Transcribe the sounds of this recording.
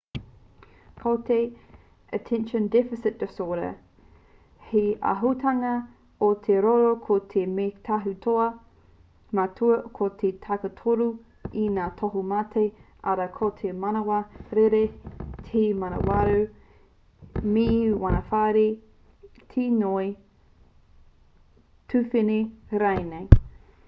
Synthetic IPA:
kʰotʰe | ətʰɛ̃nʃə̃ndɛfɪsɪt̚d̥ɪsɔɾə̰ | hia̰ɦutʰɐŋɐ | ot̪ʰeɾoɾokʰotʰemet̪ʰaɦutʰoɐ | matʰuɐkʰotʰetʰakɐtʰoɾu | inaːt̪ʰoɦumatʰej | aɾɐkʰot̪ʰemanɐwɐɾeɾetimɐnɐ̰waɾu | miwanɐfaːɾi | tʰinoe | tʰʉfiniɾajnej

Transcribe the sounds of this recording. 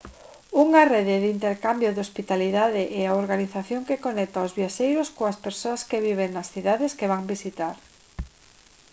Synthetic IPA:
uŋarɛðɪðɪint̪eɾkambjoðeospit̪aliðaðɪʔɛaoɾɣaniθaθjoŋkekonɛk̚t̪aozβiaʃejɾʊskoaspeɾsoɐskeβiβ̞eŋnɐsθiðaðɪskeβaŋbisit̪aɾ

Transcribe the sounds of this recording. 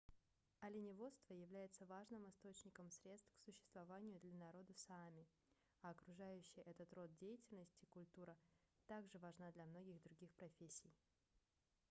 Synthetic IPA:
ɐlʲɪnʲɪvo̞t̪st̪vəjɪvlʲæjɪt̪səvaʐnɨmɨst̪o̞t͡ɕnʲɪkəmsɾʲe̞t̪st̪fksʊɕːɪ̥st̪vɐvanʲɪjʊd̪lʲɐnɐɾo̞d̪əsaamʲɪ | ɐːkɾʊʐajʉɕːɪjʔɛt̪ət̪ro̞t̪̚dʲejɪtʲɪlʲnəsʲtʲɪkʊlʲt̪uɾɨ | t̪aɡʐɨvɐʐnad̪lʲɐmno̞ɡʲɪɣd̪ɾʊɡʲixpɾɐfʲesʲːɪj

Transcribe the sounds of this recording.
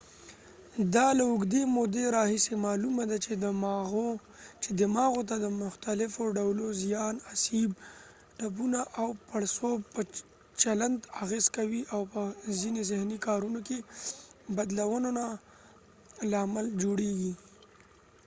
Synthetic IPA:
d̪ɑlaʊɡd̪emod̪eɾɑhisemɑlumad̪at͡ʃed̪əmɣo | t͡ʃed̪əmɑɣot̪̬ad̪əmʊxt̪alɪfoɖawlozijɑnasib̚ | ʈap̬unaʔawpaɽsopə | t͡ʃalant̪aɣezkawiʔawpəzinezɪhnikɑɾunoke | bad̪lawənona | lɑmald͡ʒoɽeɡi

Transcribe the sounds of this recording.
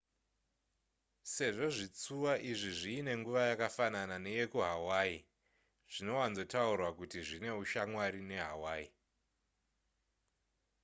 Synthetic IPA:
se̞ʐo̞ʐit͡suwaʔiʐiʐiːne̞ŋɡuʋajakafananane̞jekuɦawaːi | ʐ̥ino̞wanzo̞taurwakutiʐine̞uʃamwaɾine̞ɦawaːi

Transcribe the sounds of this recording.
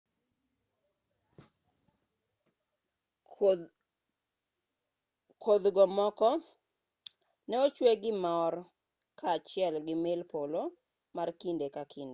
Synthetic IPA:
kod̪ɡɔmɔkɔ | nɛot͡ʃweɡɪmɔɔr | kaːt͡ʃɪɛlɡɪmelpolo | markindekakʰinde

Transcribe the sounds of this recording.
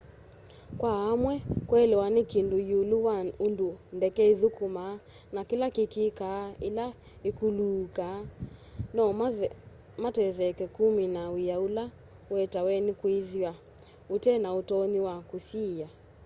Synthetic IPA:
kwaɦamwɛkwɛlɛwanekindujuluwaundundɛkɛiðukuma | nakilakikikaila | ikuluːkanɔ | matɛðɛkɛkuminawijaula | wɛtawɛnikwiðiwa | utɛnautɔniwakusia

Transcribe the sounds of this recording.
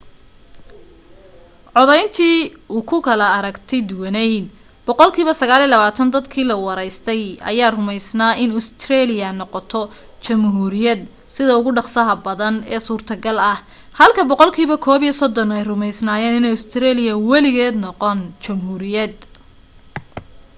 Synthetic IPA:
ʕɔðɛjnt̪ʰiːuːkʰʊkʰɐlɐɐɾɐɡt̪ʰɛjd̪ʊwɐnɛjn | b̥ɔqɔlkʰiːβɐsɐɣaːlilɐβaːt̪ʰɐnd̪ɐd̪kʰiːlɐwɑɾɛjst̪ʰɛjʔɐ̰jaːrʊmɛjsnaːʔɪnʊst̪ʰɾɛːlɪjɐnɔqɔt̪ʰɔ | t͡ʃɐmɦuːɾɪjɛd̪ | sɪðɐʊɣʊɖɑqsɐɦɐbɐðɐnɛːsuːrt̪ʰɐɡɐlɐh | hɐlkʰɐbɔqɔlkʰiːβɐkʰɔːbisɔd̪ɔnɛjrʊmɛjsnaːjɛːnɪnɛjʊst̪ʰɪɾɛːlɪjɐwɛlɪɣɛːd̪nɔqɔnt͡ʃɐmɦuːɾɪjɛd̪

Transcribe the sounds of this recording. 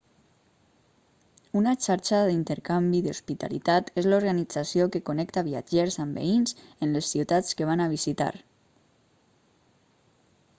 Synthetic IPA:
unat͡ʃaɾt͡ʃaðint̪eɾkambiðuspit̪a̰lḭt̪at̪ezloɾɣanid͡zasjokekonɛkt̪aβia̰d͡ʒeɾzambḛinzənlesːiwt̪at͡skəβ̞anaβ̞izit̪a̰ɾ

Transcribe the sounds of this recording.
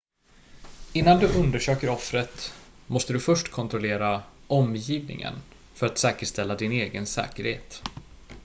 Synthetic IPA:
ɪnːand̪ɵʔɵnd̪əʂøːkəɾɔfɾət̪ | mɔst̪əd̪ɵfœʂʈkʰɔnt̪ɾɔleːɾa | ʔɔmjiːvnɪ̰ŋə̰n | fœɾat̪sɛːkəʂt̪ɛlːad̪ɪneːɡənsɛ̰ːkəɾhḛːt̪

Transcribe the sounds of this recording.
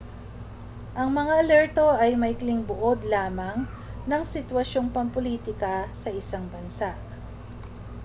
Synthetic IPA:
ʔɐŋmɐŋaʔɐlɛɹt̪o̞ɐjmɐɪklɪŋbʊʔo̞d̪laːmɐŋ | nɐŋsɪt̪wɐʃo̞ŋpɐŋpoliːt̪ɪkɐsɐʔɪsaŋbɐnsaʔ

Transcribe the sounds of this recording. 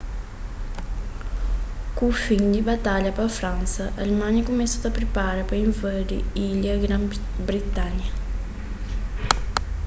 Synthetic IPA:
kufiɲd̪ibat̪aʎapafɾansaʔalmaɲəkumɛnsat̪apɾipaɾapəiɱvəd̪ḭiʎaɡɾam | bɾit̪aɲja

